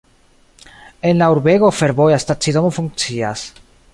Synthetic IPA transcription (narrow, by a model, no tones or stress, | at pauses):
e̞nlauɾbe̞ɣo̞fe̞ɾbo̞jast̪at͡sid̪omofuŋk̚t͡sia̰s